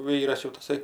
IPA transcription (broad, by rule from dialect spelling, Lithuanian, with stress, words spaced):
ˈʋʲiːrɐs jɛʊ tɐˈsɐɪ